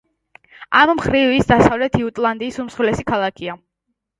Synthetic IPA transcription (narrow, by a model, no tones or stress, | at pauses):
ammχɾivisd̪asavlɛt̪ʰiut̪ʼlˠand̪iːsumsχulɛsikʰalˠakʰia